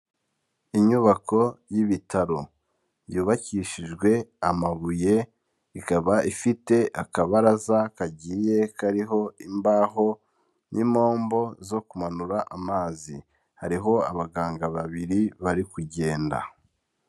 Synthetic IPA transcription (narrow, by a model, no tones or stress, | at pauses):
iɲuβako̞jiβitaɾo̞ | juːβaciʃiʒɡwe̞amaβuje̞ | ikaβaifite̞ʔakaβaɾazakaɟije̞kaɾiɦo̞imbaːɦo̞ | nʔimo̞ːmbo̞zo̞kumanuɾaʔamaːzi | haɾiɦo̞aβaɡaːŋɡaβaβiɾiβaɾikuɟe̞ːnda̰